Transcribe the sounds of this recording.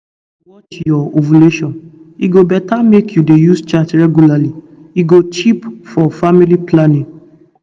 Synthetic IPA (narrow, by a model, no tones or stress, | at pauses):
wɔt͡ʃjɔovuleʃɔ̃niɡobɛtamekjudejust͡ʃatɹɛɡjulali | iɡot͡ʃipfɔfamiliplanĩŋ